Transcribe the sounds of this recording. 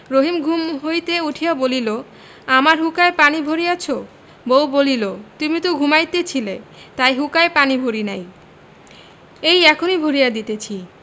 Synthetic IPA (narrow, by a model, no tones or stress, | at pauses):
ɾoɦimɡʱumɦojt̪euʈʰijaobolilo | amaɾɦukaepanibʱoɾijat͡ɕʰo | bowbolilot̪umit̪oɡʱumajt̪et͡ɕʰilet̪ajɦukaepanibʱoɾinaj | ejɛkʰonibʱoɾijad̪it̪et͡ɕʰi